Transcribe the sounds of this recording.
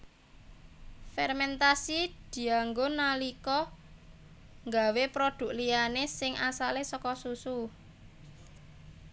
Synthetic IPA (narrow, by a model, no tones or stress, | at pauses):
fɛrmɛnt̪asid̪̥i̤aŋɡonalikɔ | ŋɡawepɾod̪̥ʊ̤k̚lijanesɪŋʔasalesɔkɔsusu